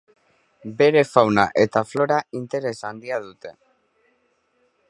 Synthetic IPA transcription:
be̞ɾe̞fawnaʔe̞t̪aflo̞ɾaint̪e̞ɾe̞sand̪iaðut̪e̞

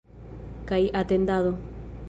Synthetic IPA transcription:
kajʔat̪end̪aðo

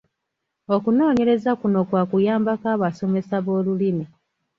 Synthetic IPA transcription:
o̞kuno̞ːɲe̞ɾe̞zakuno̞kwaːkujaːmbakaːβaso̞me̞saβo̞ːlulimi

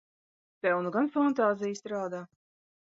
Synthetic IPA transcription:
t̪ɛwnuɡanfant̪aːzijst̪ɾaːd̪aː

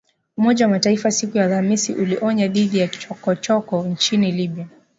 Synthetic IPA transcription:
umɔʄawamataifasikujalhamisiʔuliʔɔɲaðiðijaɔkɔt͡ʃɔkɔɲt͡ʃiniliɓia

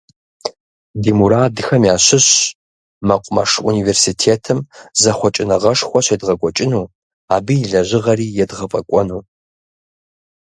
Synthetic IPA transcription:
dimuɾaːdɨxɐmjaːɕɪɕ | mɐqʷʼʊmɐʂṵniːversitʰeːtʰɨmzɐχʷɔt͡ʃʼɪnɐʁɐʂxʷɔɕedʁɐkʷʼɔt͡ʃʼɪnuː | aːbɨjiɮɐʑɪʁɐriːjɛdʁɐpʼɐkʷʼɔnuː

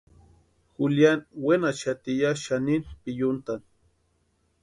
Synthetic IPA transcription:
xuljanwenat͡ʃat̪ijaʃaninpijʊnt̪an

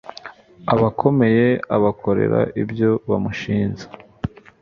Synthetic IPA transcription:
aβakʰo̞me̞je̞aβakʰo̞ɾḛɾa̰ʔibjo̞βamuʃiːnze̥

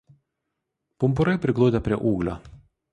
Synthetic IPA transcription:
pʊmpʊɾɐɪpʲɾʲɪɡlˠʊːd̪ʲepʲɾʲiɛʔuːɡlʲo̰ː

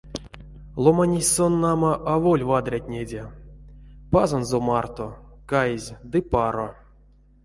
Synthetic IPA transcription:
lˠomanʲisʲsonːamaʔavolʲvad̪ɾʲat̪ʲnʲedʲe | pazanzomart̪okajezʲd̪ɨpaɾo

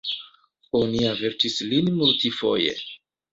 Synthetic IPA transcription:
oniaveɾtislinmultifo̞̰jḛ

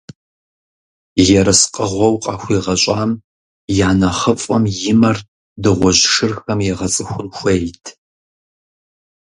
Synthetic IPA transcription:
jɛɾɐsqʼəʁʷɔwqʼɑːxʷiːʁɐɕʷʼaːm | jaːnɐχɐfʼɐmjɪmɐr | dɨʁʷɔʑʂɨrxɐmjɛʁɐt͡sʼɨxʷʊnxʷejtʰ

